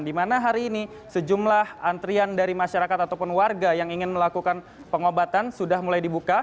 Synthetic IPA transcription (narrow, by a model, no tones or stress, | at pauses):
ndimanaɦaɾiːni | səd͡ʒumlahant̪ɾiandaɾimaʃaɾakat̪at̪awpʊnwarɡajaŋiŋɪnməlakukan | pəŋobat̪ansudahmulajdibuka